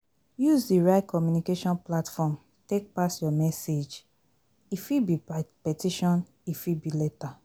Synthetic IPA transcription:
juzdiɹaɪt̚kʰɔmjunikeʃɔ̃nplatfɔm | tek̚pasjɔmɛsed͡ʒ | ifibipɛtiʃɔ̃n | ifibilɛta

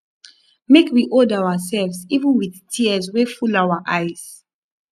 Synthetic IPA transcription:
mekʰwiʔɔdawəsɛlvzivə̃nwiðtʰiəzwefulawəʔaɪz̥

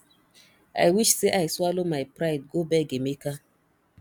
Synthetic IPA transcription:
a̰jwiʃseʔajswalomajpɾajd̚ɡobɛɡemeka

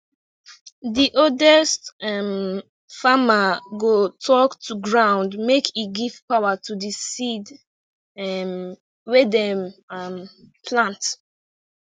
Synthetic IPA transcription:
diʔodɛstɛm | famaɡotʰɔktʰuɡɹãʊ̃ndmekʰitɡiv̥pawatudisid | m | wɛdɛɛmpʰlãnt

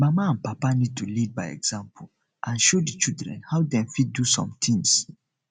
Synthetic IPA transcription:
mamaãnpapanid̚tʰulid̚bajɛ̰ɡz̥ãmpʰul | ʔãnʃodit͡ʃildɹɛ̰̃nhawdɛ̃mfit̚dusɔ̰̃mt̪ʰĩŋs

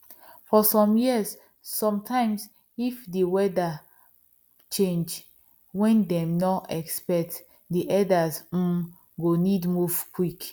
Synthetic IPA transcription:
fɔsɔ̃mjisː | ɔ̃mtʰãɪ̃ms | ifdewɛda | t͡ʃẽnd͡ʒ | wɛ̃ndɛ̃mnɔɛkspɛk̚t | diʔɛdaz̩ | ɡonidmuvkwik

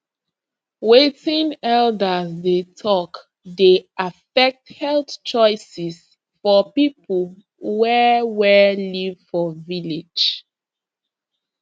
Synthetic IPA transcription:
wetĩnɛldəsdetʰɔk | deʔafɛk̚thɛltt͡ʃɔɪsis | fɔpipʰəl | wɛwɛlivfɔvile̥d͡ʒ

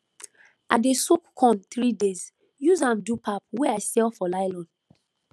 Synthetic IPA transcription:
ʔa̰desokkʰɔ̃nt̪ɹidez | juzãmdupʰap̚wɛaɪsɛlfɔlaɪlɔ̃n

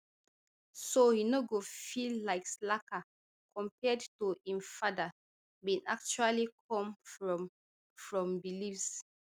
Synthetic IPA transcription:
sohinoɡofilːaɪkslaka | kʰɔ̃mpɛdtuĩmfada | bĩna̰k̚t͡ʃualikʰɔ̃mfɹɔm | fɹɔ̃mbilifs

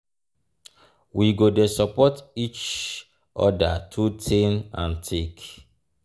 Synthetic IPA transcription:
wiɡodesɔpɔtit͡ʃ | ʔɔ̰datʰutʰẽnã̰ntʰek

